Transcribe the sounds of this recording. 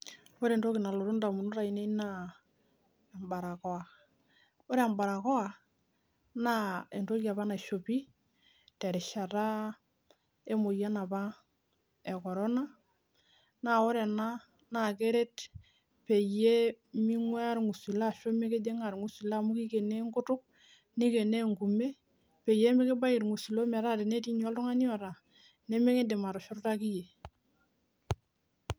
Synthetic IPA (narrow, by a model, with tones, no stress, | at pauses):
o˦ɾe˨ndo˦ki˨na˨lo˨ɾu˦nda˨mu˨nu˦ɾa˨i˨ne˦na˦˨ | mba˨ɾa˨kɔ˦a˨ | o˦ɾe˦a˨mba˨ɾa˨kɔ˦a˨ | na˦e˨ndo˦ka˨pa˦na˨ʃo˨pi˦ | te˨ɾɛ˨ʃa˨ɾa˦ | e˦mo˨ja˦na˨pa˦ | e˨kɔ˨ɾɔ˦na˦ | na˨o˦ɾe˨na˦ | na˨ke˦ɾe˦t | pe˨je˦mi˦ŋwe˦a˦ɾŋu˨si˨la˦˨ʃo˦me˦ke˦de˦ŋa˨ɾŋu˨si˨la˦˨mu˦ki˦ke˨ne˦ŋɡu˦tʊ˦k̚ | ni˦ke˨ne˦ŋɡu˨me˦ | pe˨je˦mi˦ki˦ba˦ji˨ɾŋu˨si˨lo˦me˨ɾa˦ɾe˨ne˦ti˦ɲ˦o˦lu˦ŋa˦ni˦o˨ɾa˨ | ne˦me˦ŋi˦de˨ma˨ɾu˨ʃu˦ɾu˦ta˦ki˦je˨